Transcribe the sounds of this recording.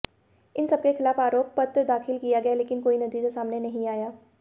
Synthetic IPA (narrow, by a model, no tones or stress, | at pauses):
ɪnsɐb̚kexɪlaːfaːɾoːpːɐt̪ɾd̪aːxɪlkijaɡɐjaleːkɪnkoːinɐd̪iːd͡ʒasaːmnenɐɦĩaːjaː